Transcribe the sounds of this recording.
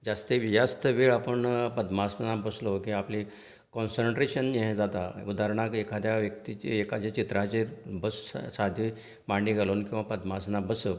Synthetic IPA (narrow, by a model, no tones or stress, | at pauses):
d͡zast̪eʋijast̪əʋeɭapəɳpəd̪masnabəslokĩapli | kɔnsəɳʈɾeɕənɦẽd͡zat̪aud̪aɾɳakekʰad̪jaʋjəkt̪it͡ɕeekad̪jat͡ɕit̪ɾat͡ɕebəssad̪ʱi | maɳiɡʱalonkĩw̃ʋapəd̪masnabəsə